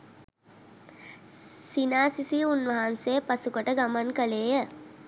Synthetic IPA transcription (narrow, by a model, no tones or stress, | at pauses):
sinaːsisiunʋəɦanseːpasukəʈəɡamankəleːjə